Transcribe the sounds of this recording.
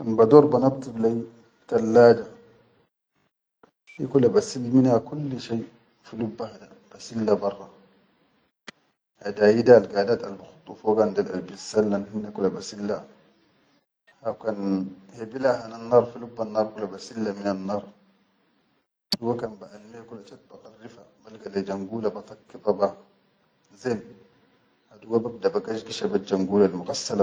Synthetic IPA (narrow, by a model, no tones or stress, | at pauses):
kanbad̪oːɾˤbanabt̪iblaj | kalːaːd͡ʒa | fḭkulabasilːminhakulːʃaj | filubːahada | b̥asilːabɑrˤːɑ | hadaːjidalɡaːdaːt̪albaxu̥t̪ˤːufoɡand̪alʔa̰lbisːalːanhinːakulabasilːa | hawkanhebilaɦananːɑːɾˤfilubːanːɑːɾˤkulabasilːaminanːɑːɾˤ | uwakanbaʔalmekulat͡ʃat̪̚baqɑrːifamalɡalad͡ʒaŋɡuːlabat̪ˤɑkːifaba | zem | haduɡabab̚dabaɡad͡ʒɡiʃabad͡ʒaŋɡuːlalmuɣasːala